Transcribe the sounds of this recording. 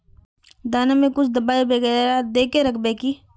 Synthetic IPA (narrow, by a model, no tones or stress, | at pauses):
d̪aːnamẽkʊt͡ʃʰd̪ɐbaːibeɡəɾad̪eːkeɾɐkʰbekiː